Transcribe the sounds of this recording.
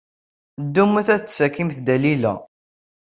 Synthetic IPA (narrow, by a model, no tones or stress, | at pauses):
d̪ːumːuθæθt͡ssækːimθd̪ælilæ̰